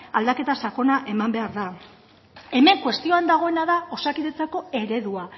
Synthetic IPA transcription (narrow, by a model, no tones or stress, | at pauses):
ald̪ake̞t̪asako̞naʔe̞mambe̞aɾða | e̞me̞ŋkwe̞st̪ioand̪aɣ̞o̞e̞naðao̞sakiðe̞t͡sako̞e̞ɾe̞ðua